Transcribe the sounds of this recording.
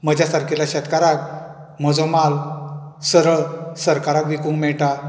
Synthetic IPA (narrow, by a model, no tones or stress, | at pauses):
məd͡ʑʱasaɾkʰilaɕɛt̪kaɾak̚ | m̤əd͡zɔ̃malsəɾəɭsəɾkaɾakʋikũŋkmɛɭʈa